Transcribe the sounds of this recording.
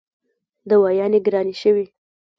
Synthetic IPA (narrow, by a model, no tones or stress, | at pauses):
d̪əwɑjɑneɡɾɑniʃəwi